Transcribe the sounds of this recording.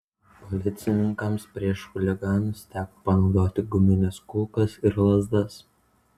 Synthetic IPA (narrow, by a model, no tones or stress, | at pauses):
pɔlʲɪt̪sʲɪnʲɪŋkɐmspʲɾʲiɛʃxʊlʲɪɡɑːnʊst̪ʲæːko̥pɐnɒʊd̪oːt̪ʲɪɡʊmʲɪnʲɛskuːkɐsɪɾlˠɐzd̪ɐs